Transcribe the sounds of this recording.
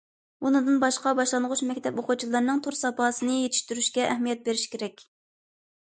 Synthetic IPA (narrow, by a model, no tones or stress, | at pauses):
unɨd̪ɨnbɑʃqɑbɑʃlˠɑnʁʊʃmɛkʲt̪ʰɛpoqʊt͡ʃʰilˠɑɾnɨŋt̪ʰuɾsɑpɑːsɨnɨjet̪ʰɪ̥ʃt̪yɾyʃkʲɛʔɛhmijɛt̪̚beɾɪʃi̥kʲʰeɾɛkʲ